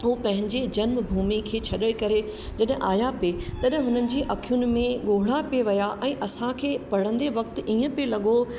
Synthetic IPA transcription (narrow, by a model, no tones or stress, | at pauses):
ɦuːpɐ̃ɦɪ̃ɲd͡ʑed͡ʑɐnmbʱuːmikʰeːt͡ɕʰɐɗəɽɪkɐɾe | d͡ʑɐɗɪ̃ʔaːjapet̪ɐɗɦɪ̃ɦʊnənɪ̆d͡ʑiːʔɐkʰijunɪ̆mẽɠoːɽ̤apeʋɐjaʔɛ̃ːʔɐsãkʰeːpɐɽ̤ə̃nd̪eʋɐk̚t̪iːə̃pelɐɠo